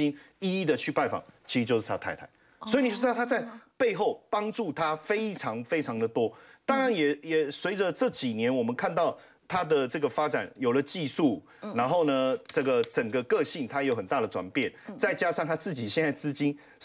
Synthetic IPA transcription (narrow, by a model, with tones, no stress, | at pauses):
i˥n | i˥˧i˥˩d̪ə˨t͡ɕʰy˥˧pa˥˩nfɑ̰˨˩ŋt͡ɕʰi˧˥˧t͡ɕjo˥˧ʂɻ̩˥˩tʰa˥t̪ʰa˥˩ɪa˧˦ɪ | swɔ˧˥i˨ni˨o˥ɑ˥˩t̪ʰa˥t͡sa˥˧ɪpe˥˧ɪxo˥˩ʊpɑ˥ŋʈ͡ʂu˥˩t̪ʰa˥fe˥ɪʈ͡ʂʰɑ˧˥ŋfe˥ɪʈ͡ʂʰɑ˧˥ŋd̪ə˨t̪wɔ˥t̪ɑ˥ŋɻa˧˦njɛ˨˩jɛ˨˩swe˧˥ɪd͡zə˧ʈ͡ʂɤ˥˩t͡ɕi˨˩njɛ˧˦nwɔ˨˩mə˦nkʰa˥˧nt̪ɑ˥˩ʊ | t̪ʰa˥d̪ə˨ʈ͡ʂɤ˥˩ɡə˩fa˥t͡sa˨˩˦njo˨˩ʊlə˦t͡ɕi˥˧su˥˩ | na˧˥nxo˥˩ʊnə˩ʈ͡ʂɤ˥˩ɡə˩t͡sə˨˩ŋɡə˦kɤ˥˧ɕi˥˩ŋt̪ʰa˥jjo˧ʊxə˨˩nt̪a˥˩ɾə˩ʈ͡ʂwa̰˨˩npjɛ˥˨nt͡sa˥˩ɪt͡ɕja˥ʂɑ˥˩ŋt̪ʰa˥t͡sɹ̩˥˩t͡ɕi˨˩ɕjɛ˥˧nt͡sa˥˩ɪt͡sɹ̩˥t͡ɕi˥n